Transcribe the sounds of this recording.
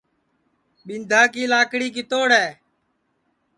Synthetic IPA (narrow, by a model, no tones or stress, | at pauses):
ɓɪnd̪ʱaːkiːlaːkɽiːk̬ɪt̪oːɽɛː